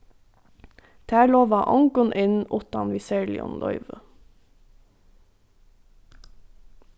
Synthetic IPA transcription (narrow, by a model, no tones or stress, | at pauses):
t̪ʰæːɭoːʋɑːʔɔŋɡʊnʔɪnʊt̪ɑ̰nʋɪsɛɹlɪ̰ɔ̰nlʔɔ̰ʏʋə